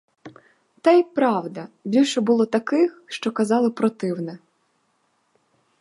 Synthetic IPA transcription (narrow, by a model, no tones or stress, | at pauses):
t̪ɛjpɾɑwd̪ɐbʲilʲʃɛbʊlˠɔt̪ɐkɪxʃt͡ʃɔkɐzɑlˠɪpɾɔt̪ɪwnɛ